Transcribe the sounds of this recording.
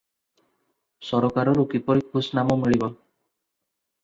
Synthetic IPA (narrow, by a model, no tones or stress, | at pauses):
sɔɾɔkaɾɔɾukipɔɾikʰusnamɔmiɭibɔ